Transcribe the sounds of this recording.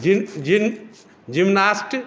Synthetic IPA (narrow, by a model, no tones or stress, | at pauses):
d͡ʒin | d͡ʒimnasʈ